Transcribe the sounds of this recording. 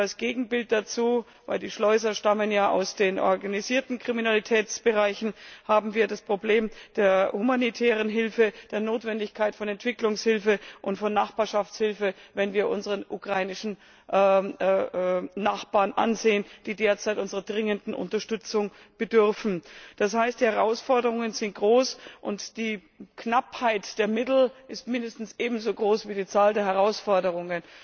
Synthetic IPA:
alsɡ̥eːɡŋ̩bɪlt̚d̥at͡suː | va̰ɪldiːʃlɔʏz̬ɐʃtamənjaːʔa̰ʊsd̥eːnʔɔ̰ɐɡaniziːɐtn̩kʁ̥iminalitʰɛːt͡sb̥əʁaɪçn̩haːbm̩viːɐdaspʁ̥obleːmd̥eːɐhumanitʰɛːʁ̞ənɦɪlfəd̥eːɐnoːtv̥ɛndɪçkʰaɪtfɔnɛntv̥ɪklʊŋshɪlfəʔʊntfɔnːaχb̥aːɐʃaft͡shɪlfəvɛnviːɐʔʊnzəʁənʔukʁ̥aɪnɪʃn̩ | ʔ | naχb̥aːɐnʔa̰nzeːənd̥iːdeːɐt͡saɪtʔʊnzəʁədʁɪŋəndn̩ʔʊ̰ntɐʃtʏt͡sʊŋ | b̥ədʏʁfn̩d̥ashaɪstd̥iːhɛʁ̞aʊsfɔɐdəʁʊŋənzɪnt̚ɡ̥ʁoːsʔʊntd̥iː | knaphaɪtd̥eːɐmɪtl̩ʔɪstmɪndəstn̩sʔeːbm̩zoːɡʁoːsv̥iːdiːt͡saːldeːɐɦɛʁ̞aʊsfɔɐdəʁ̞ʊŋən

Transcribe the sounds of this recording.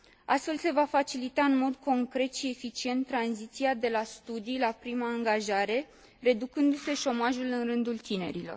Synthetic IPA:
a̰st̪fe̞lse̞vafat͡ʃilit̪aɨnmo̞d̪ko̞ŋkɾe̞t̪ʃie̞fit͡ʃie̞nt̪ːɾanzit̪siad̪e̞last̪ud̪ijlapɾimaːŋɡaʒaɾe̞ | re̞d̪ukɨnd̪use̞ʃo̞maʒulɨnrɨnd̪ult̪ine̞̰ɾilo̞̰r

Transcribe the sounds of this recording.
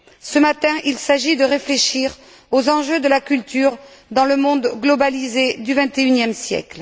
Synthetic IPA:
səmat̪ɛ̃ʔilsaʒid̪əʁefleʃiʁ | ozɑ̃ʒød̪əlakʲylt̪yʁ | d̪ɑ̃ləmɔ̃d̪ɡlɔbalized̪yvɛ̃t̪eynjɛmsjɛ̰kl

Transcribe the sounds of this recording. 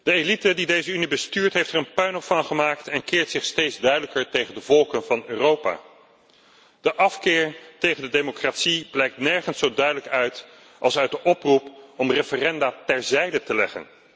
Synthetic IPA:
d̥əelitədidejzəynibəstyːɹtɦejftɛɹənpœɥnɔffɑnχəmaːktɛnkɪːɹtsɪχstejdzdœɥdələkəɹtejχəndəvɔlˠkənvɑnøːrowpa̰ː | d̥əʔɑfkɪːɹtejχəndədemokraːtsiblɛjk̚tnɛɹχənsowdœɥdələkœɥt | ʔɑlˠsœɥt̚dəʔɔprupɔmrefərɛndaːtɛɹzɛjdətəlɛχə̰n

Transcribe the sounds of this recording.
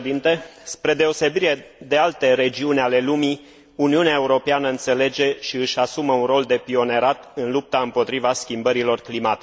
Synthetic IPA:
d̪int̪e̞spɾe̞d̪e̞o̞se̞biɾe̞d̪e̞alt̪e̞ɾe̞d͡ʒiunʲale̞lumi | uniuneaeuɾo̞peanəɨnt̪se̞le̞d͡ʒe̞ʃiɨʃʲasuməunro̞ld̪e̞pio̞ne̞ɾat̪ɨnlup̚t̪aɨmpo̞t̪ɾivaskʲimbəɾilo̞rklimat̪i

